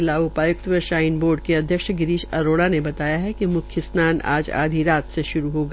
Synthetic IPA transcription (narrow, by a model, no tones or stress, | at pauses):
laːʊpaːjʊk̚t̪ʋəʃaːɪnboːɾɖ̚keɐd̪ʱjəkʃɡɪɾiːʃɐ̰ɾoːɽanebɐt̪aːjaɦɛkimʊkʰjəsnaːna̰ːd͡ʒa̰ːd̪ʱiɾaːt̪seʃʊɾuɦoːɡaː